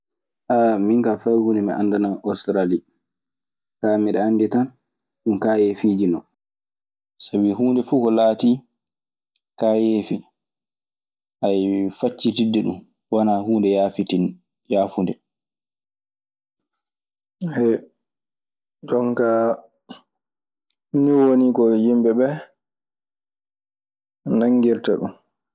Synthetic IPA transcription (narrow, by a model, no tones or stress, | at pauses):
ʔamiŋkafajhuːndɛmiʔa̰ndanaʔɔstɾali | kaːmiɗɛandɛtan | ɗumkaːjefiːd͡ʒinɔ | sabiɦuːndɛfuːkɔlaːti | kajefi | ʔajfat͡ʃːitidːɛɗum | wanaɦuːndɛjafiti | jaːfundɛ | hɛ | ɗɔnka | niwonikɔjimbɛbɛ | naŋːɡiɾtaɗṵn